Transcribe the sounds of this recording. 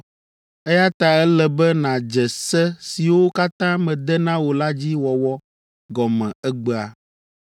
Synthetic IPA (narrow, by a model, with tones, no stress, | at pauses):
ɛ˦ja˦t̪a˨ɛ˦lɛ˨bɛ˦nã˨d͡ʒɛ˨sɛ˦si˨wo˦ka˦t̪ã˦mɛ̃˨d̪ɛ˦nã˦wo˨la˦d͡ʑi˦wɔ˨wɔ˦ | ɡɔ˨mɛ̃˨ɛ˦ɡ͡bɛ˦a˨